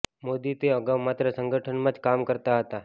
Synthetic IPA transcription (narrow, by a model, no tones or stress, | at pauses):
mod̪iːt̪eəɡaʋmat̪ɾəsəŋɡəʈʰəɳməd̪kamkəɾt̪aɦət̪a